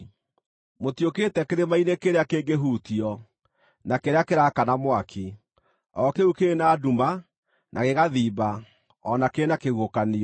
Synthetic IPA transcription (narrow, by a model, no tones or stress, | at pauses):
motjoketɛkeɾemainekeɾeakeːŋɡeɦutiɔ | nakeɾeakeɾakanamwakʰe | ɔkeukenaːduma | nʔaɣeɣaðiːba | ɔnakeenakeɣokani